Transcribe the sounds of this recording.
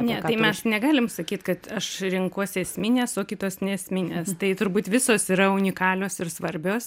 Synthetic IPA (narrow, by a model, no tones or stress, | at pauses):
nʲɛt̪ɐɪɛsnʲɛɡɑːlʲɪmsɐkʲiːt̪kɐt̪ɐʃɾʲɪŋkuːsɛsʲmʲɪnʲeːsoːkʲɪt̪oːsnʲɛɛsʲmʲɪnʲeːst̪ɐɪt̪ʊɾbuːt̪ʋʲɪsoːsiɾɐʊnʲɪkɑːlʲoːsɪrsʋɐɾʲbʲoːs